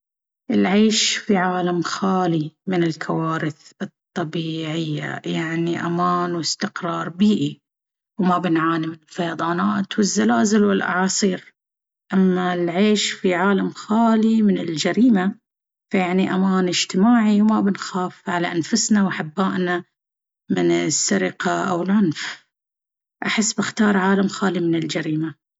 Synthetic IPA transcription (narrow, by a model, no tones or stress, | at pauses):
ʔɪlʕeːʃfiʕaːlamxaːlimɪnɪlkʰawaːɾɪθɨt̪ˤːɑbiːʕɪjːa̰jaʕniʔa̰maːnwɪst̪ɪqɾˤɑːɾˤbiːʔi | wmabɪnʕaːnimɪnɪlfɑjɑd̪ˤɑːnaːt̪wɪzːalaːzɪlwɪlʔɑ̰ʕɑːsˤiːɾ | ʔamːalʕeːʃfiʕaːlamxaːlimɪnɪld͡ʒaɾiːma | fajaʕniʔamaːnɪd͡ʒt̪ɪmaːʕiwmabɪnxaːfʕalaʔanfʊsnawʔaħabːaːʔna | mɪnɪsːaɾɪqaʔa̰wɪlʕʊnf | ʔaħɪsːbɪxt̪ɑːɾˤʕaːlamxaːlimɪnɪld͡ʒaɾiːma